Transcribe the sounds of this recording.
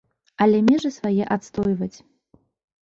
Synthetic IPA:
ɐlʲɛmʲɛʐɨsvajɛʔat̪st̪ɔjvɐt͡sʲ

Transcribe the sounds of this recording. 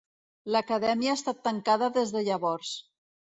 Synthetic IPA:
ləkəðɛmiaːst̪at̪ːəŋkaðəðezðəʎəβɔɾs

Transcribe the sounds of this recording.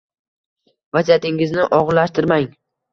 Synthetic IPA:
vazat̪ɪŋɪznɪʔɒʁɾlaʃt̪ɪɾmaŋ

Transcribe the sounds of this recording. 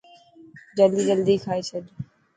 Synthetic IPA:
d͡ʒəld̪iːd͡ʒəld̪iːkʰaːet͡ʃʰəd̪

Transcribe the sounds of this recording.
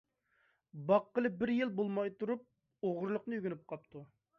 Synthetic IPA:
bɑqːəlˠɨbɪɾjilˠbolˠmɑjt̪uɾup̚ | oʁʊɾlˠʊqnɨjyɡʲynyp̚qʰɑp̚t̪ʰu

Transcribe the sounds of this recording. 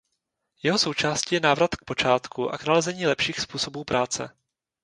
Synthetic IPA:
jɛɦo̞so̞wt͡ʃaːscijɛnaːvɾat̪k̚po̞t͡ʃaːt̪kuʔa̰knalɛzɛɲiːlɛpʃiːxspuːso̞buːpɾaːt͡sɛ̰

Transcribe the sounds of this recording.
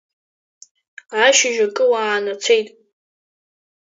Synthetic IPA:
aʃɪʒᶣakʼɨwaːnat͡sʰe̞jtʼ

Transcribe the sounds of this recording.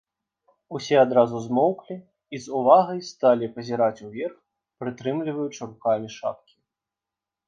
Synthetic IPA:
usʲɛad̪ɾazuzmɔwklʲi | izuvaɣɐjst̪alʲipɐzʲɛɾat͡sʲuvʲɛrx | pɾɨt̪ɾɨmlʲivɐjut͡ʂɾuxamʲiʂa̰p̚kʲi̥

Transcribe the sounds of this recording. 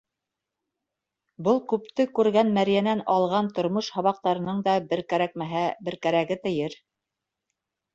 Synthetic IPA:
bɤlˠkʉpt̪ɘkʉɾɡænmæɾjænænɑlˠʁɑnt̪ŏɾmɤʃhɑβɑq̚t̪ɑɾɤ̆nɤɴd̪ɑbɘ̆ɾkæɾæk̚mæɦæbɘ̆ɾkæɾæɡɘt̪ɘ̆jɘɾ

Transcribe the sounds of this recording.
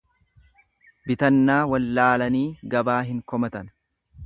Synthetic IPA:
bɪt̪ɐnːaːwɐlːaːlɐniːɡɐbaːɦɪŋkɔmɐt̪ɐn

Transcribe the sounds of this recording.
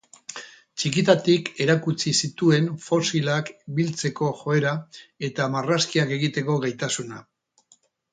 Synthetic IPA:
t͡ʃikit̪at̪ike̞ɾakut͡sisit̪ue̞nfo̞silakbilt͡se̞ko̞ʝo̞e̞ɾae̞t̪amaraskiake̞ɣit̪e̞ko̞ɣajt̪asuna

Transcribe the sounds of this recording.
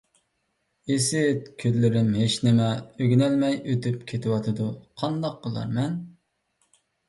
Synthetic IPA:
esɪt̪̚kʲʰøzlɪɾɪnɦeʃnɪmɛøɡʲnɛlmɛjøt̪ʰypkʲʰet̪ʰɪwɑt̪ʰɨd̪uqʰɑnd̪ɑq̚ːəlˠɑ̰ɾmɛn

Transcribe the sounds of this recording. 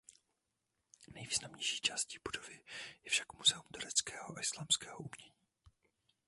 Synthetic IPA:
nɛjviːznamɲɛjʃi̥ːt͡ʃaːsciːb̥udovɪjɛfʃḁkmuzɛumt̪uɾɛt͡skɛːhoʔaʔɪslaːmskɛːɦoʔumɲɛɲiː

